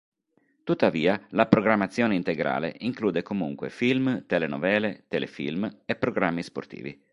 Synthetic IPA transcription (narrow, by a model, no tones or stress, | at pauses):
t̪ut̪ːaviːalapɾoɡɾamːat̪sːjoːneint̪eɡɾa̰ːlḛʔiŋkluːd̪ekomuŋkwḛfilmt̪elenɔ̰vɛːlet̪elḛfḭlmepːɾoɡɾamːispo̰rt̪ḭːvḭ